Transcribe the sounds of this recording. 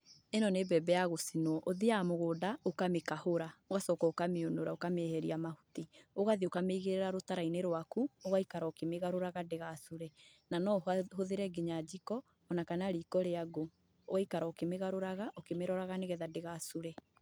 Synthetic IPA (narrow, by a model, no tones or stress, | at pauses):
enɔnebɛbɛjaɣosinwɔʔoðeamoɣoːdaokamekahoɾaoɣasɔːkɔokameonoɾaokameɛhɛɾiamahutioɣaðiokameiɣeɾɛɾaɾotaɾaineɾwakuoɣaikaɾaokemeɣaɾoɾaɣadeɣasoɾɛ | nanɔhoðeɾɛɡeɲad͡ʑikɔː | nakanaɾiːkɔɾeaɡo | oɣaikaɾaokemeɣaɾoɾaɣaʔokemeɾɔɾaɣaneɣɛðadeɣasoɾɛ